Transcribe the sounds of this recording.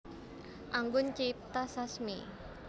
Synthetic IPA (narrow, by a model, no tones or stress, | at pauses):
ʔaŋɡʊnt͡ʃip̚t̪asasmḭ